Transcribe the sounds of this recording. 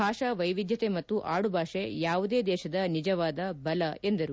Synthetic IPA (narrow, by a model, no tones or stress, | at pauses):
bʱaːʂɐʋɐjʋid̪jɐt̪emɐt̪ːuʔaːɽubʱaːʂejaːʋud̪e̞ːd̪ɛːʃɐd̪ɐnid͡ʒɐʋaːd̪ɐbɐlɐe̞nd̪ɐɾu